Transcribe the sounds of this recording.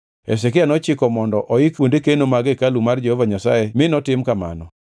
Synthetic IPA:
ḛs̬ɛkɪanɔt͡ʃɪkɔmɔndɔʔɔikwondekenomaɡekalumard͡ʒehovaɲasa̰emɪnɔtɪmkama̰nɔ

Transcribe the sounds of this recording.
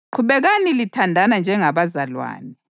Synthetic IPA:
ǃʰuβɛɣanilitʰandʱanand͡ʒʱɛŋaβazalwa̰ːnɛ

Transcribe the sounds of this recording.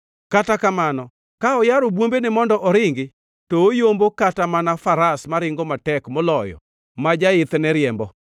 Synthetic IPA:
katakamanɔ | kaɔjaɾobwombenɪmɔndɔʔɔɾɪŋɡɪ | tɔojombokatamanafaɾasmaɾɪŋɡɔmatɛkmɔlɔjɔ̰ | mad͡ʒaɪt̪nɛɾjɛmbɔ

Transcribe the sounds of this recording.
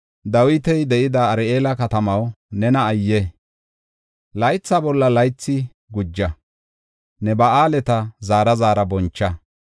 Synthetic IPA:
d̪ɐwɪt̪ɛjd̪ɛʔɪd̪ɐːɾʔeːlɐkɐt̪ɐmɐwnɛnɐːjːɛ | lɐjt͡sːaːbɔlːɐlɐjt͡sːɪ | ɡʊd͡ʒːɐ | nɛbɐaːlɛt̪ɐzaːɾɐzaːɾɐbɔnt͡ʃːɐ

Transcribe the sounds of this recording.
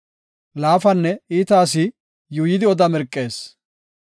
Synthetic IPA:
laːfɐnːɛiːt̪aːs̬ɪ | juːjɪd̪ɪɔd̪ɐmɛɾkʼːe̞ːs

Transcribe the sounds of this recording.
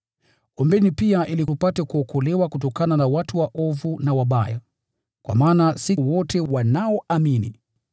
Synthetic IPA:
ɔmbɛnipiaʔilikupatɛkuɔkɔlɛwakutɔkananawatuwaʔɔvunawaɓaja | kwa̰maːnasiwɔtɛwanaɔʔaminḭ

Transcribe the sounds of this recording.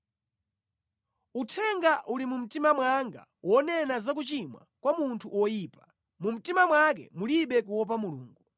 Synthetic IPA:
utʰɛŋɡaʔulimum̩timamwaŋɡa̰ | wɔnɛnazak̬ut͡ʃimwa̰kwamuntʰuʔwɔjiːpa | mum̩timamwak̬ɛ̰muliɓɛk̬uwɔp̬amuluːŋɡu

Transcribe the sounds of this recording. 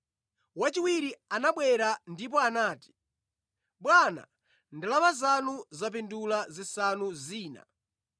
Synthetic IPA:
wat͡ʃiwiɾianaɓwɛɾandip̬ɔanaːti̥ | ɓwana̰ | ndilamazanuzap̬indulazisanuziːna̰

